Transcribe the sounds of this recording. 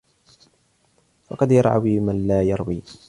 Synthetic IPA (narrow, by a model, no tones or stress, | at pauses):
fɑqɑd̪jɑɾˤʕa̰wiːmanlaːjɑɾˤwiː